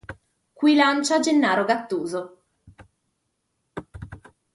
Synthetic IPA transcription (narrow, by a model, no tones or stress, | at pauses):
kwilant͡ʃad͡ʒenːaːɾoɡat̪ːuːzo